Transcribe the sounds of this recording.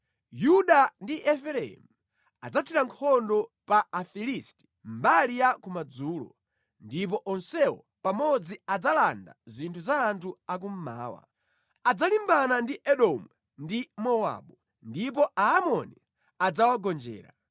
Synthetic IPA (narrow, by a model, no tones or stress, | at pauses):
juɗandiʔɛfɛɾɛḭmu | ad͡zatʰiɾaŋkʰɔndɔpaafilisti̥ | m̩balijakumad͡zuːlɔ̰ | ndip̬ɔʔɔnsɛwɔ̰ | pamɔd͡ziad͡zalanda̰zintʰuzaːntʰuak̬um̩ma̰ːwa̰ | ad͡zalimbanandiʔɛɗɔmɛ | ndimɔwa̰ɓu | ndip̬ɔʔaːmɔni | ad͡zawaɡɔnd͡ʒɛ̰ːɾa̰